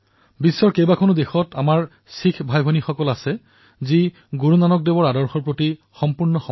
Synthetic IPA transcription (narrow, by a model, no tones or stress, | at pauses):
bisːɔɹkejbakʰɔnudexɔtamaɹ | sikʰbʱajbʱɔnixɔkɔlasɛ | zi | ɡuɹunanɔk̚debɔɹadɔɹxɔɹpɹoti | xɔmpuɹnɔxɔ